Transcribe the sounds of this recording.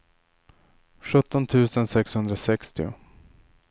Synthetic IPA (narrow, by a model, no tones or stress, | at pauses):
ɧɵt̪ːɔnt̪ʰʉ̟ːsənsɛkshɵnd̪ɾasɛkst̪ɪʊ̰